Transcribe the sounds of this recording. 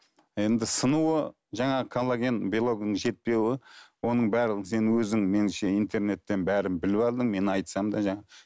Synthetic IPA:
e̞nd̪ɪsənuə | ʒɑɴɑʁəkʰolˠːaɡʲenbilˠo̞ɡnəɴʒe̞t̪̚pe̞wɪwo̞nəɴbæɾləʁɪse̞nwɵzɪŋme̞nʃeijnt̪ʰe̞ɾne̞t̪ːe̞nbæɾɪmbɪlɪpɑlˠd̪əŋme̞nɑjt̪sɑmd̪ɑʒɑɴɑ

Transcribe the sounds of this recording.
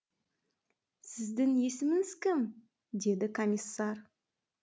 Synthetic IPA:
sɪzd̪ɪŋje̞sɪmɪŋɪz̥kʲɪm | d̪e̞d̪ɪkʰomʲisːɑr

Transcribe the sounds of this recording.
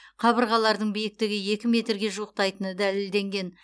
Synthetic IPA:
qʰɑbəɾʁɑlˠɑɾd̪əɴbijɪk̚t̪ɪɡʲɪje̞kʲɪme̞t̪ɾɡʲe̞ʒuəq̚t̪ɑjt̪ənəd̪æleld̪e̞ŋɡʲe̞n

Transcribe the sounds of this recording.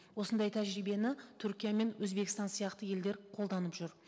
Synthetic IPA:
wo̞sənd̪ɑjt̪ʰæʒɾijbe̞nɪt̪ʰʏɾkʲijame̞nwɵzbe̞kɪst̪ɑnsijɑqt̪əje̞ld̪e̞ɾqʰo̞lˠd̪ɑnəpʒ̥ʏɾ

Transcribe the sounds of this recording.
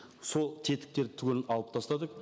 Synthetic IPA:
solˠt̪ʰe̞t̪ɪ̥k̚t̪e̞ɾɪt̪ʰʏɡʲenɪnɑlˠəp̚t̪ʰɑst̪ɑd̪əq

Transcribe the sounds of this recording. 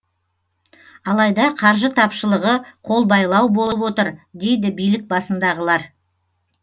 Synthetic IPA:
ɑlˠɑjd̪ɑqʰɑɾʒət̪ʰɑpʃəlˠəʁəqʰo̞lˠbɑjlˠɑwbolˠəpwo̞t̪əɾd̪e̞jd̪ɪbijlɪk̚bɑsənd̪ɑʁəlˠɑɾ

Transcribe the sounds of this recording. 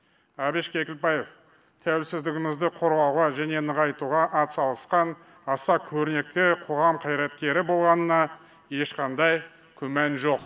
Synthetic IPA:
ɑbeʃkʲʰe̞kʲɪlpɑjef | t̪ʰæwɪlsɪzd̪ɪɡʲɪmɪzd̪ɪqʰo̞ɾʁɑwʁɑʒæne̞nəʁɑjt̪uʁɑʔɑt̪sɑlˠəsqɑn | ɑsɑkʲʰɵɾɪne̞k̚t̪ɪqʰo̞ʁɑmqʰɑjɾɑt̪kʲe̞ɾɪbo̞lˠʁɑnənɑ | je̞ʃqɑnd̪ɑj | kʲʰɵmænʒo̞q̚

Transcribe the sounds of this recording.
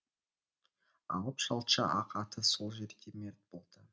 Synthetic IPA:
ɑ̰lˠəpʃɑlˠʃɑʔɑqɑt̪ʰəso̞lˠʒe̞ɾd̪e̞me̞ɾt̪̚bo̞lˠd̪̥ə

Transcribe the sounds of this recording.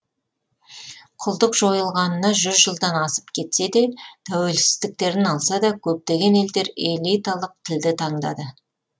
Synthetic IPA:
qʰʊlˠd̪əqʒo̞jəlˠʁɑnənɑʒʏzʒəlˠd̪ɑnɑsəpkʲʰe̞t̪se̞d̪e̞t̪ʰæwe̞lsɪzd̪ɪk̚t̪e̞ɾɪnɑlˠsɑd̪ɑkʲʰɵp̚t̪e̞ɡʲe̞ne̞ld̪e̞ɾe̞lˠijt̪alˠəq̚t̪ʰɪld̪ɪt̪ʰɑɴd̪ɑ̰d̪ə

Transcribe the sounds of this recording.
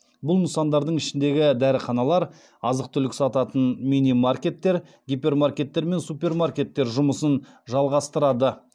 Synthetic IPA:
bʊlˠməsɑnd̪ɑɾd̪əɴɪʃɪnd̪e̞ɡʲɪd̪æɾəχɑnɑlˠɑɾ | ɑzəq̚t̪ʰʏlɪkʲɪsɑt̪ɑt̪ənminijmarkʲe̞t̪ːe̞ɾ | ɡʲipʲe̞rmarkʲe̞t̪ːe̞ɾme̞nsupʲe̞rmarkʲe̞t̪ːe̞ɾʒʊməsən | ʒɑlˠʁɑst̪əɾɑd̪ə

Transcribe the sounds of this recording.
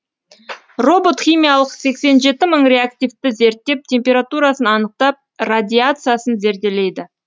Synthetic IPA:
ro̞bo̞t̪χʲijmʲijalˠəqse̞kse̞nʒe̞t̪ɪməɴrʲe̞ak̚t̪ʲijvt̪ɪze̞ɾt̪ːe̞p̚t̪ʲʰe̞mpʲe̞ɾat̪uɾasənɑnəq̚t̪ɑp̚rad̪ʲiat̪sɨjasənze̞ɾd̪e̞le̞jd̪ɪ

